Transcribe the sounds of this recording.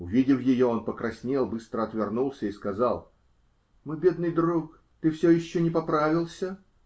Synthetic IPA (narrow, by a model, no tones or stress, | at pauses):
ʊvʲidʲɪfjɪjoonpəkɾɐsʲnʲelˠbɨst̪ɾəɐt̪vʲɪrnulˠsʲəiskɐzalˠ | mɨbʲe̞d̪nɨjd̪ɾuk | t̪ɨfsʲojɪɕːonʲɪpɐpɾavʲɪlˠsʲə